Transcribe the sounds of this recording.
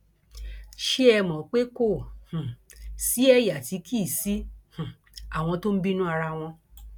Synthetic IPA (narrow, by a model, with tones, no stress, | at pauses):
ʃe˦ɛ˧mɔ̃˨k͡pe˦ko˦˨h̩˨si˨˦ɛ˦ja˨ti˨˧˦kʰi˦˨si˦h̩˨ | a˨w̃ɔ̃˧to˦m̩˦bi˦nũ˦a˧ɾa˧w̃ɔ̃˧